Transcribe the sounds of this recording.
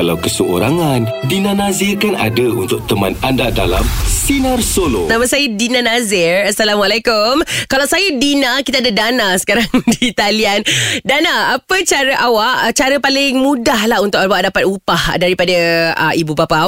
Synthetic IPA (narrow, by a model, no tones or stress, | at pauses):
kalawkəsəo̰ɾaŋandinãnazɪrkana̰dəunt̪ʊk̚t̪əma̰nandada̰la̰msinarsolonamasajədinãnazɪrasalamalakʊmkalawsajədinãkit̪aadadanasə̥kaɾaŋdit̪aliandanaːpət͡ʃaɾəʔawaʔt͡ʃaɾəpalɪŋmũdahlaɦunt̪ʊk̚awaʔdapat̪upahdaɾipadəə̰ibubapa